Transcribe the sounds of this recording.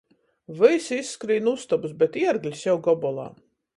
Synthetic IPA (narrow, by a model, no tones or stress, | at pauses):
vɨjsisːkɾiːnust̪abusbɛt̪iɛɾɡlʲisʲjɛwɡɔbɔlˠa̰ː